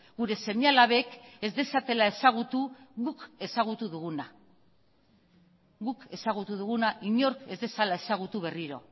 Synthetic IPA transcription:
ɣuɾe̞se̞ɲalaβe̞ke̞zd̪e̞sat̪e̞lae̞saɣ̞ut̪uɣuke̞saɣ̞ut̪uðuɣuna | ɣuke̞saɣut̪uðuɣunaʔiɲo̞ɾke̞zd̪e̞salae̞saɣ̞ut̪uβe̞riɾo̞̰

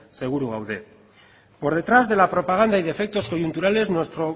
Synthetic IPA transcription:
se̞ɣ̞uɾuɣ̞awðe̞ | po̞ɾðe̞t̪ɾazðe̞lapɾo̞paɣ̞and̪aiðe̞fek̚t̪o̞sko̞ʝunt̪uɾale̞znwe̞st̪ɾo̞

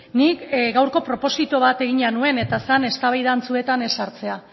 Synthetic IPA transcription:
nikɡawɾko̞pɾo̞po̞sit̪oβ̞at̪e̞ɣ̞iɲanue̞ne̞t̪aseane̞st̪aβajðant͡sue̞t̪ane̞saɾt͡se̞a

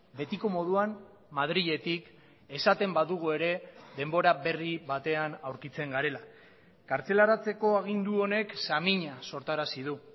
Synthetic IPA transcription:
be̞t̪iko̞mo̞ð̞uam | mað̞ɾiʎe̞t̪ik | e̞sat̪e̞mbaðuɣ̞ue̞ɾe̞ðe̞mbo̞ɾabe̞riβat̪e̞anawɾkit͡se̞ŋɡaɾe̞la | kaɾt͡se̞laɾat͡se̞ko̞aɣ̞ind̪uo̞ne̞ksamiɲaso̞ɾt̪aɾasiðu

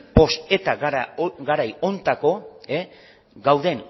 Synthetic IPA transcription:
bo̞se̞t̪aɣɡaɾajo̞nt̪ako̞e | ɡawðe̞ŋ

